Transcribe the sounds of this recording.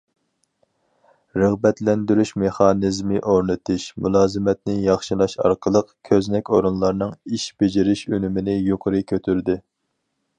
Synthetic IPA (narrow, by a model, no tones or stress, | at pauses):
ɾəʁbɛt̪lɛnd̪yɾyʃmeχɑnɨzmɨʔoɾnɨt̪ʰɨʃmulˠɑːzɨmɛt̪̚nɪjɑχʃɨlˠɑʃɑ̰ɾqʰəlˠəqkʲʰøznɛkʲoɾunlˠɑɾnɨŋiʃb̥ɪd͡ʒiɾɪʃynymɪnɪjoqʰəɾɨkʲʰøt̪ʰyɾd̪ɪ